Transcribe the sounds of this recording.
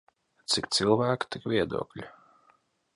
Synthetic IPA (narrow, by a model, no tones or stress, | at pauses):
t̪sikt̪silˠvæːkt̪ikvʲiɛd̪ṵɔklʲu